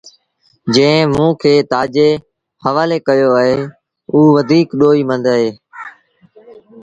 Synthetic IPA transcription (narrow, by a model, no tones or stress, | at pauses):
d͡ʒẽːɪ̃mũːkʰeːt̪aːd͡ʒeː | həʋaːleːkəjoːaːɦeː | uːʋəd̪ʱiːkɗoːiːmə̃nd̪əɦeː